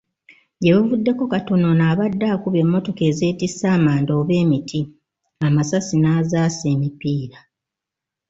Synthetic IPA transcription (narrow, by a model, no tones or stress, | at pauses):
ɟeβavudːe̞kukatononaːβadːakuβe̞mːo̞to̞ke̞ːze̞ːtisaːmaːndoːβe̞ːmitʰi | amasasinaːzaːse̞ːmipiːɾa